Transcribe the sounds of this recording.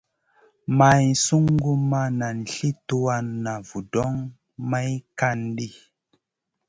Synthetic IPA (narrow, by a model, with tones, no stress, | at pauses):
ma˨jsu˦ŋ˦ɡu˦ma˦na˨n̩˨ɬi˦tu˦wa˧nːa˨vu˨dɔ˦ŋ | ma˦jka˦nɗi˦